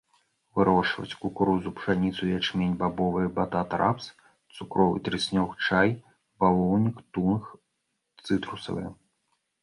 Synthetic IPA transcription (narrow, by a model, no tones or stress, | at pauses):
vɨɾɔʂvɐ̰t͡sʲkukɾuzupʂanʲit̪sujʲat͡ʂmʲenʲbabɔvɨjɛbat̪at̪ɾa̰ps | t̪sukɾɔvɨ̰t̪ɾɨsʲnʲɔxt͡ʂaj | palˠɔwnʲikt̪unx | t̪sɨt̪ɾusɐ̰vɨ̰jɛ̰